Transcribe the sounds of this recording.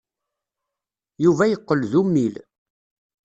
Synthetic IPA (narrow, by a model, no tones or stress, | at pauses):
juvæjəqːəlðumːil